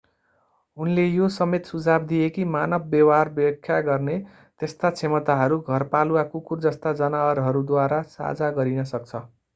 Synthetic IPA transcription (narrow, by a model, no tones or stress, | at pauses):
ɦunlejosʌmet̪sud͡zʱabd̪ijekimanʌbːjʌwarbjʌkʰːjaɡʌrne | t̪est̪at͡sʰemʌt̪aɦʌɾuɡʱʌrpaluwakukurd͡zʌst̪ad͡zʌnawʌɾɦʌɾud̪waɾasa̰d͡zaɡʌɾinʌsʌk̚t͡sʰʌ